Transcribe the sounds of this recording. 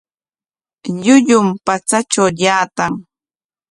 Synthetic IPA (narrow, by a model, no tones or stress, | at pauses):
ʎʊʎʊmpat͡sat͡ʃawʎaːt̪aŋ